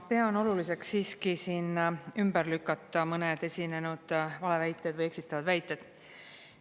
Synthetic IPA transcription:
peɑono̞lulise̞ksiːskisiːnymbərlykːˑɑt̪ːˑɑmɤned̪̥e̞sʲine̞nud̪̥vɑle̞væjt̪ːˑed̥̪vɯje̞ksit̪ːˑɑvɑd̪̥væjt̪ːˑe̞d̪̥

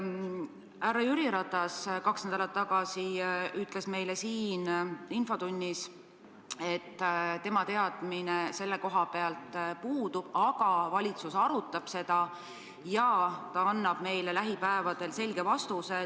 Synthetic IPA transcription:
ærːɑjyɾiɾɑt̪ːˑɑskɑksned̪ɑlɑt̪ːɑɡ̥ɑsiyt̪ːˑle̞sme̞jlesiːninfo̞t̪unʲːis | e̞t̪ːˑt̪ːemɑt̪e̞ɑd̪̥minese̞lːe̞ko̞ɦɑpe̞ɑlt̪ˑpuːd̪ub̥ɑɡ̥ɑvɑlʲit̪susɑɾut̪ːˑɑb̥se̞d̪̥ɑ | jɑt̪ɑɑnːɑb̥me̞jlelæɦipæevɑd̪̥e̞lse̞lʲɡ̥e̞vɑst̪use̞

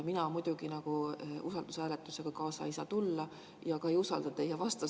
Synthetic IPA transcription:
minɑmujd̪̥uɡ̥inɑɡ̥uʔusɑld̪̥usæːlet̪ˑːuse̞ɡ̥ɑkɑːsɑ̰isɑt̪ulːɑ | jɑkɑejusɑld̪̥ɑt̪ejɑvɑst̪ɑ

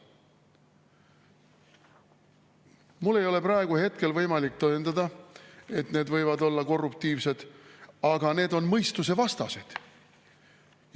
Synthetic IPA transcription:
mulːe̞jo̞le̞pɾɑe̞ɡ̥uhe̞t̪̚ke̞lvɤjmɑlik̚t̪ɤend̪ɑd̪̥ɑe̞t̪ne̞ːd̪vɤjvɑd̪o̞lːɑko̞rːupt̪iːvse̞d̪̥ɑɡ̥ɑne̞ːd̪o̞nmɤjst̪us̬e̞vɑst̪ɑse̞d̪̥

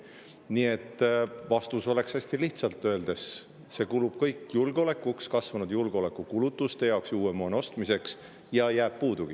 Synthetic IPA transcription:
nie̞t̪ːˑvɑst̪uso̞le̞ksæsʲt̪iliht̪sɑlt̪ːø̞eld̪̥e̞s | se̞kulub̥kɤjkːjulɡ̥eo̞le̞kːˑukskɑsvɑnud̪̥julɡ̥eo̞le̞kːˑukulut̪ːˑust̪e̞jɑoksjuːe̞moːno̞st̪mise̞ks | jɑjæːb̥̚puːd̪̥uɡ̥i

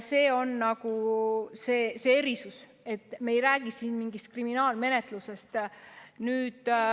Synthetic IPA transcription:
se̞ːo̞nnɑɡ̥use̞ːseeɾisus | e̞t̪ːˑme̞jɾæːɡ̥isiːnmiŋɡist̪̚kriminɑːlme̞ne̞t̪ˑluse̞st̪nyːd̪̥

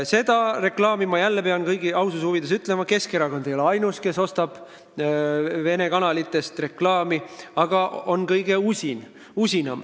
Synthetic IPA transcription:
se̞d̪̥ɑre̞klɑːmimɑjælːepe̞ɑnkɤjɡiɑwsushuvid̪̥es̬yt̪ˑlemɑke̞skeɾɑko̞nejoeɑjnuske̞so̞st̪ɑb̥ | ve̞ne̞kɑnɑlit̪ːˑe̞st̪re̞klɑːmiɑɡ̥ɑʔo̞nkɤjɡ̥e̞usin | usʲinɑm

